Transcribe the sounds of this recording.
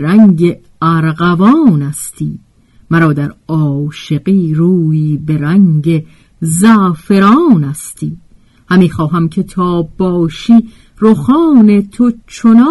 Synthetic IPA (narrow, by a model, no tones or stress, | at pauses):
ɾæŋɟe | æɾɢævɒːnæst̪ʰiː | mæɾɒːd̪æɾɒːʃe̞ɢiːɾuːjiːbe̞ɾæŋɟe | zæːfe̞ɾɒːnæst̪ʰiː | hæmiːxɒːɦæmcʰe̞t̪ʰɒːb̥ɒːʃiː | ɾoxɒːne̞t̪ʰot͡ʃʰonɑ